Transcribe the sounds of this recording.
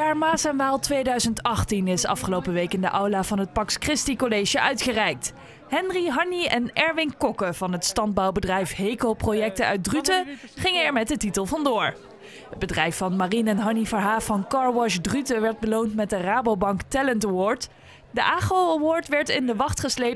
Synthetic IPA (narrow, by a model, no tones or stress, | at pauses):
aːɹmaːsɛnʋaːlˠtʋejdœɥzəntɑχtinɪsɑ̰fχəlowpəʋejkɪndəʔɑwlaːvɑnɦət̚pɑkskrɪstikolejʒəʔœɥtχərɛjk̚t | hɛnriɦɑniɛnɛɹʋɪŋkɔkəv̥ɑnətstɑnd̚bɑwbədrɛjfɦejkoprojɛk̚təœ̰ɥt̚drytəχɪŋənɛɹmɛt̚dətitəlˠvɑndʊːɹ | ɦəd̚bədrɛjfːɑnmarinɛnɦɑnifəɹɦaːfɑnkɑɹwɑʃdrytəʋɛɹd̚bəlowntmɛt̚dəraːbowbɑŋktɛləntawɔːɹt | dəʔaːχowawɔːɹtʋɛɹtɪndəʋɑχtχəslejp